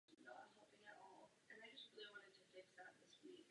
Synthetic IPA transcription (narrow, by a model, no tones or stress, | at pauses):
noʊãɪ̃mɦɛlˠpɪ̃ŋɨɾɔ̰lˠʔɨ̃naɪd͡ʒʌst̚ɹilˠiwɑ̃ñtɨd̚tʰɨdɪksaʊt̪̚ðɪswik